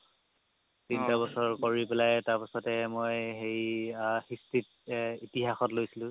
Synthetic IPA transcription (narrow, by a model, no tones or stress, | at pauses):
tintabɔsɔɹkoɹipelajtaɹpasɔtɛmojxejxistit | itiɦaxɔtlojsilʊ̃